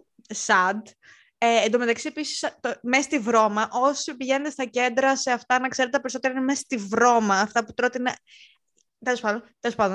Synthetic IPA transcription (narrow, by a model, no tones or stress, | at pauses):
sɐd̪ | eːnd̪ome̞t̪ɐksiepisi̥st̪omest̪ivɾo̞mɐʔo̞sipiʝe̞net̪est̪ɐce̞nd̪ɾɐse̞ɐft̪ɐnɐkse̞ɾet̪epeɾisot̪eɾɐinemest̪ivɾo̞mɐːft̪ɐput̪ɾo̞t̪inɐ | t̪elo̞spɐd̪ont̪elo̞spɐnd̪on